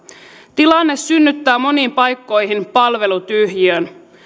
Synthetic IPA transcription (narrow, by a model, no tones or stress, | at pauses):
t̪ilɑnːesːynːyt̪ːæːmo̞niːmpɑjkːo̞jɦinpɑlʋe̞lut̪yhjiøn